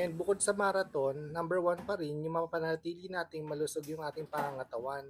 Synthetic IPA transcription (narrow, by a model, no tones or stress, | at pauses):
ɛn̚bʊkod̪̚sɐmɐɐɾɐt̪o̞nːɐmbɛɹwanpɐɾɪnjʊŋmɐŋɐpɐnɐlɐt̪iːlɪnaːt̪ɪŋmɐlʊsoɡjʊŋʔaːt̪ɪŋpɐŋaŋɐt̪ɐwan